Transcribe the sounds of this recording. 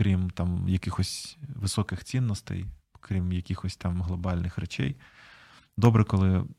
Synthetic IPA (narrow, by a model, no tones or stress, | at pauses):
kɾʲimt̪ɑmjɐkɪxɔsʲʋɪsɔkɪxt͡sʲinːɔst̪ɛ̰j | kɾʲimjɐkʲixɔsʲt̪ɑmɦlˠɔbɑlʲnɪxɾɛt͡ʃɛ̰j | d̪ɔbɾɛkɔlˠɪ